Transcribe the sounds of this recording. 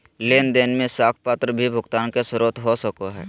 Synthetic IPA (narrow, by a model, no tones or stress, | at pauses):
leːnd̪eːnmẽsaːkʰpaːt̪ɾəbʱibʱʊɡt̪aːnkesɾoːt̪ɦosəkoɦɛ̰ː